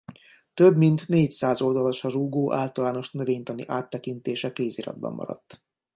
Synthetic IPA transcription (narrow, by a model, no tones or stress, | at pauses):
t̪øbmint̪neːcsaːzo̞ld̪ɒlo̞ʃɒruːɡoːʔa̰ːlt̪ɒlaːno̞ʃnøveːɲt̪ɒnḭʔaːt̪ːɛkint̪eːʃɛkeːziɾɒ̰d̪̚bɒ̰mːɒ̰ɾɒ̰t̪ː